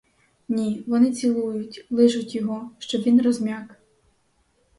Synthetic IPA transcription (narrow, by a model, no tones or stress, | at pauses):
nʲiʋɔnɪt͡sʲilˠujʊtʲlˠɪʒʊtʲjɔɦɔʃt͡ʃɔbʋʲinrɔzmʲak